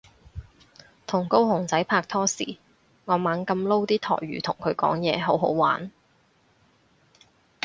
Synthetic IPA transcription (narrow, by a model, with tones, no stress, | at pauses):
t̪ʰʊ˨˩ŋko˥whʊ˨˩ŋt͡sɐ˨˥jpʰaː˧k̚t̪ʰɔː˥siː˨˩ | ŋɔː˨˧maː˨˧ŋkɐ˧mlo˥wt̪iː˥t̪ʰɔ̰ː˨˩jɥyː˨˧t̪ʰʊ˨˩ŋkʰɵ˨˧ɥkɔ̰ː˨˥ŋjɛː˨˧ɦo˨˥wɦo̰˨˥wwaː˨˥n